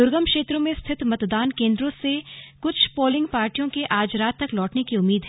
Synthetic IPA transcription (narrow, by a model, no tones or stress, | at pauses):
ʊɾɡəmkʃeːt̪ɾõmẽst̪ʰɪt̪mɐt̪d̪aːnkẽːnd̪ɾõsekʊt͡ʃʰpoːlɪ̃ŋɡpaːɾʈijõkeʔaːd͡ʒɾaːt̪ːɐklɔːʈnekiʊmːiːd̪ɦɛ